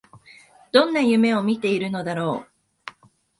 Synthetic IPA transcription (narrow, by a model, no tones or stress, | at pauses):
d̪̥õ̞nːajɯ̟me̞o̞mʲit̪e̞iɾɯ̟no̞d̪aɾo̞ː